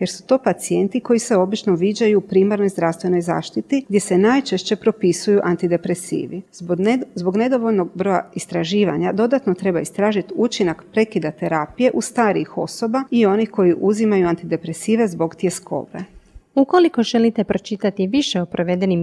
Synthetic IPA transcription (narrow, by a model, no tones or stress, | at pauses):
je̞ɾsu̥t̪o̞ːpat̪sije̞nt̪iko̞jise̞o̞bit͡ʃno̞ʋiːd͡ʑajupɾiːmaɾno̞jzd̪ɾafst̪ʋe̞no̞jza̰ːʃt̪it̪iɡd̪je̞se̞naːjt͡ʃeʃt͡ɕe̞pɾo̞pisujuʔant̪id̪e̞pɾe̞sḭːʋi | zbo̞ɡne̞d̪oʋoʎno̞ɡ̚bɾo̞ja̰ist̪ɾaʒiːʋa̰ɲad̪o̞d̪at̪no̞t̪ɾe̞baist̪ɾaːʒit̪ut͡ʃinakpɾe̞kid̪at̪e̞ɾaːpije̞ʔust̪aːɾiixo̞̰so̞baio̞nixko̞jiʔuzimajuant̪id̪e̞pɾe̞siːʋe̞zbo̞ɡt̪ie̞sko̞̰ːbeukoliko̞ʒelit̪epɾo̞t͡ʃit̪at̪iʋiʃeopɾoʋed̪enim